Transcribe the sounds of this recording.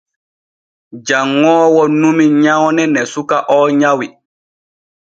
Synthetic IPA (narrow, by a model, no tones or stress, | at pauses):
d͡ʒaŋːɔːwɔnumiɲawnɛnɛsukaʔɔːɲawi